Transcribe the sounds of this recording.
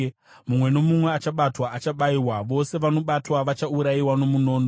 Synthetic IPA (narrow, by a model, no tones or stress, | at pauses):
mumwe̞no̞mumwe̞at͡ʃaɓatwaːt͡ʃaɓaiwaʋo̞se̞ʋano̞ɓatwaʋat͡ʃauɾaiwano̞muno̞ːno